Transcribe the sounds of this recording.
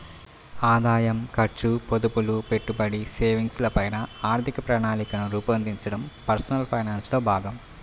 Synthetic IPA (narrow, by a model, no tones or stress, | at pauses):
aːd̪aːjɐmkɐɾt͡ʃupod̪upulupe̞ʈːubɐɽiseːʋiŋɡslɐpɐjnɐaːɾt̪ʰikɐpɾaːɳaːnikɐnuɾuːpɐɐnd̪iɲt͡ʃɐɽɐmpɐɾsɐnɐlpʰɐjnaːnslo̞ːbʱaːɡɐm